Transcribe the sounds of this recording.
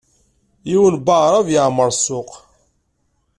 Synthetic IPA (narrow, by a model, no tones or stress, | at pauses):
jiwənbaʕɾˤavjəʕməɾˤsʊq